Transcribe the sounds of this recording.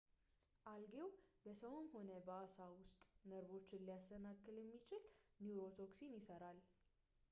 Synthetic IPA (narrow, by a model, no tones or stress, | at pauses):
ʔalɡe̞wbəsəwnho̞nəbəasawʊst̪ʼnəɾvo̞t͡ʃːɪnlijast̪ənakːɨljɛmːit͡ʃɪlniuɾo̞t̪ʰo̞ksinjɪsəɾal